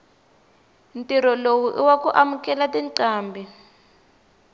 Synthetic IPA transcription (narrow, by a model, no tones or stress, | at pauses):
ntʼiɾɔlowuʔiwakuʔamukʼɛlatinǀaːmbʱi